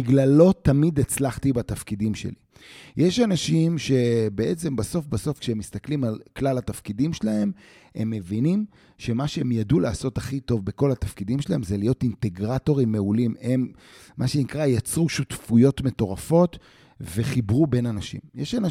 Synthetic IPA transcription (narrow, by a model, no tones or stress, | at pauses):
iɡlalo̞tamid̪et͡slaχt̪ibatafkidimʃḛlḭ | jeʃanaʃimʃe̞be̞ʔet͡se̞mbaso̞fbaso̞fkʃeemːist̪aklimalklalatafkidimʃelahe̞m | e̞̰mːe̞vinim | ʃe̞maʃeemjadulaːso̞taχito̞vbe̞ko̞latafkidimʃelahe̞mzelijo̞tinte̞ɡʁato̞ʁimːeulimemː | ʔaʃenikʁajat͡sʁuʃutfujo̞tme̞to̞ʁafo̞t | ve̞χibʁube̞nanaʃḭmjeʃana